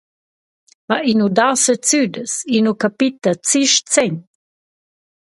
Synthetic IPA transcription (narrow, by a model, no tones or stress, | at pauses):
maʔinudasət͡sydəsinukapit̪ət͡siʃt͡sɛɲ